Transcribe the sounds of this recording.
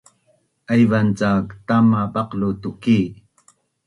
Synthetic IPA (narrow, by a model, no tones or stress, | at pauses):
ajvant͡sakt̪amapɑqlut̪uki